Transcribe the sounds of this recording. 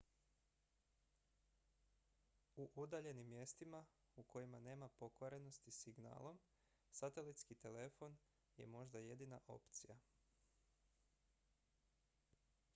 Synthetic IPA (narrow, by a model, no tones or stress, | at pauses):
uʔud̪aʎe̞nimːje̞st̪ima | ukʰo̞jimane̞ːmapo̞koɾe̞no̞st̪isiɡna̰ːlˠo̞m | sat̪e̞lit̪skit̪e̞le̞fo̞n | je̞̰mo̞ʒd̪aje̞d̪ina̰ʔo̞̰pt̪sija